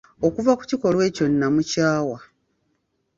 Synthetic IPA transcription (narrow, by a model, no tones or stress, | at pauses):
o̞kuvaku̥ciko̞lwe̞ːco̞nːamucaːwa